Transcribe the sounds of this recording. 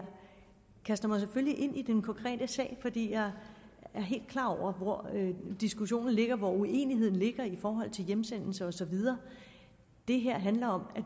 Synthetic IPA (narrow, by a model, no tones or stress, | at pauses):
kʰæsd̥ɐmɑ̈ɪs̬efølliʔe̝n̰ʔid̥enkʰɒ̽ŋkʰʁɛ̰ːd̥əsɛ̰ːɪfɒd̥ḭːjɑ̈ɪæɐɦe̝̰ːld̥̚kʰlɑ̈ːɒʊ̰ɐʋɒd̥isɡ̥uɕo̝̰ːnn̩le̝ɡ̥ɐʋɒue̝̰ːniɦe̝ð̰ˠn̩le̝ɡ̥ɐifɒːɦɒ̽l̰t͡sʰe̝ljemsen̰l̩səɒ̽sɒ̽ʋið̞ˠɐː | d̥e̝ɦeɐ̰ɦænlɐɒ̽mæ